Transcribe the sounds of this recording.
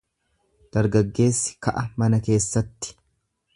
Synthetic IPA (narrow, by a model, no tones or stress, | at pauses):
d̪̥ɐɾɡɐɡːe̞ːsːɪ̥kɐʔɐmɐnɐke̞ːsːɐt̪ːɪ̥